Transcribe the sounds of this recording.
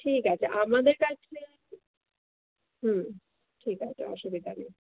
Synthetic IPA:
ʈʰikat͡ɕʰaʔamad̪eɾkat͡ɕʰe | ɦ̩ | ʈʰikat͡ɕʰa̰ɔ̰ʃubid̪ʱanḭ

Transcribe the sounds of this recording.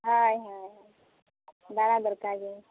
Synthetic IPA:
ɦajɦajɦaj | d̪aɽad̪əɾkaɡe

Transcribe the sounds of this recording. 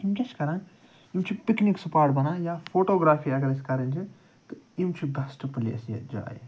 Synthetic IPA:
imkʲɐskɐɾãː | imt͡ʃʰipikniksɐpaːɾʈbɐnãːjaːpʰoːʈoːɡɾaːfʰiːɐɡɐɾɐsi̥kɐɾɐnd͡ʒʰi | t̪ɨimt͡ʃʰiɡɐsʈɐpɐlḭɐ̰sjɐ̰d͡ʒa̰ːj̰

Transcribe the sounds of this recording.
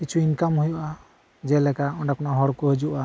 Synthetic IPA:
kit͡ʃʰuinkamɦujuʔa | d͡ʒɛlɛkaɔɳɖakɔnaɦɔɽkɔɦed͡ʒuʔa

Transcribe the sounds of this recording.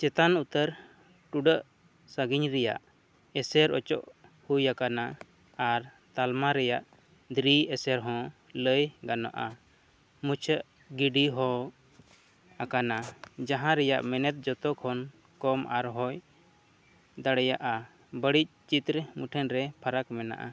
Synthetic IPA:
t͡ʃɛt̪anut̪əɾ | ʈuɖəʔ | səɡiɲɾɛja̰ʔ | ɛsɛɾɔt͡ʃɔ̰ʔhujakana | aɾ | t̪almaɾɛjaʔ | d̪ɾiɛsɛɾɦɔ̃ | ləjɡana̰ʔa | mut͡ʃʰəʔ | ɡiɖiɦɔ | akanad͡ʒaɦãɾɛja̰ʔmɛnɛt̪̚d͡ʒɔt̪ɔkʰɔn | kɔmʔaɾɦɔj | d̪aɽɛjaʔa | bəɽic̚t͡ʃit̪ɾmuʈʰənɾɛpʰaɾakmɛna̰ʔa̰

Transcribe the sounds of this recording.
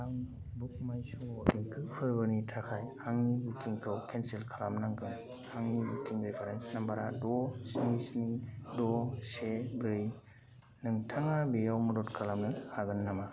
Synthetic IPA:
daŋ | buk̚majsuŋɔdiŋkʰɯkpʰɯɾbɯnitʰakʰajhaŋnibukiŋkʰɯwkʰenselkʰalamnaŋɡɯŋ | haŋnibukiŋɾepʰaɾensnambaɾadɔsnisnidɔsebɾɯj | nɯŋtʰaŋabejawmɯdɔtkʰalamnɯhaɡɯnːama

